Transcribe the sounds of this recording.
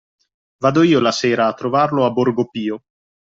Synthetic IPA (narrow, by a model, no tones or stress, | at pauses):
vaːd̪oiːolaseːɾaːt̪ːɾovarloaborɡopiːo